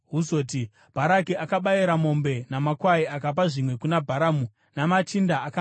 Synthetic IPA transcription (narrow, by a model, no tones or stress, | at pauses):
ɦuzo̞ːti | b̥ʱaɾakiakaɓaiɾamo̞mbe̞namakwaiakap̬aʐimwe̞kunabʱaɾamu | namat͡ʃindaːka